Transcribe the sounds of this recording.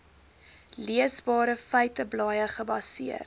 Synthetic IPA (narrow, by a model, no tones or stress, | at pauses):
liəsbɑːɾəfœjtəblɑːjəχəbɐsiər